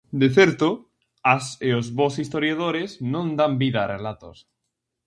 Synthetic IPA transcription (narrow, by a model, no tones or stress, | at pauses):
d̪eθeɾt̪o | aseozβosist̪oɾjað̞oɾeznõnd̪ambiðaːrelat̪o̰s